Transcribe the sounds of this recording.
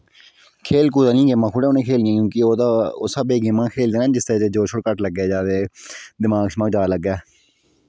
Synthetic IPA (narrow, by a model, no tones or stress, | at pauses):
kʰeːlkuːd̪ãːnĩːɡemãːkʰʊɽɛːoːnẽːkʰeːlɪãːkjũːkɪoːt̪aːoːsəbeːɡɪmãːkʰeːld̪eːnãːd͡ʒɪst̪əɾɛːt̪eːd͡ʒoːʃʰoɽkəʈləɡːeːd͡ʒaːd̪eːd̪ɪmaːɡsmaːɡd͡ʒaːləɡːɛː